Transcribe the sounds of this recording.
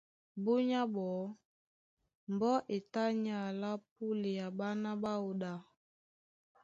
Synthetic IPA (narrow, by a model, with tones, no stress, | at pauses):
bu˦ɲa˦bɔ˨˦ | m˨bɔ˦ʔe˨ta˦ɲa˦˨la˦p̚u˦le˨ja˨ba˦na˦ba˦o˨da˨